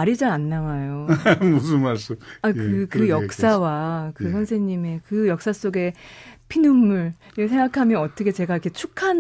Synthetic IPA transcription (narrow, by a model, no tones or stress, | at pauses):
aɾid͡ʑaanːawajomusunmaɭs͈uakɯkɯjʌkk̚s͈awakɯsʰʌnsʰeɲime̞kɯjʌk̚s͈as͈oɡe̞pʰinumːuɭ | s̬ʰe̞ŋɡakʰamjʌnʌt͈ʌkʰe̞t͡ɕe̞ɡaikʰe̞t͡ɕʰukʰan